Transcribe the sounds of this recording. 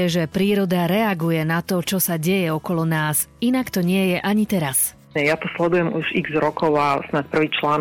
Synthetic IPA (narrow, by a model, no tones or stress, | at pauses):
ɛʒɛpɾiːɾɔd̪aɾɛaɡujɛnat̪ɔt͡ʃɔsaɟɛjɛɔkɔlɔnaːsinakt̪ɔɲɪɛjɛʔaɲit̪ɛɾas | ɛjat̪ɔslɛd̪ujɛmuʒiɡzɾɔkʰɔʊasnac̚pr̩ʋiːt͡ʃlaːn